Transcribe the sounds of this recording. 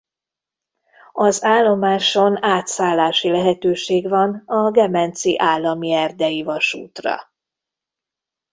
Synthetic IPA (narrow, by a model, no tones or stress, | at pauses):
ɒzaːlːo̞maːʃo̞naːt̪saːlːaːʃilɛɦɛt̪øːʃeːɡvɒnɒɡɛmɛnt̪siʔaːlːɒmiɛrd̪ɛjivɒʃuːt̪rɒ̰